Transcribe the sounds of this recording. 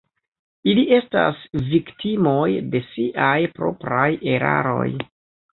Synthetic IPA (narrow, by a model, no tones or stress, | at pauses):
iliʔe̞sta̰sviktimo̞jde̞siʔajpɾo̞̰pɾaje̞ɾa̰ɾo̞̰j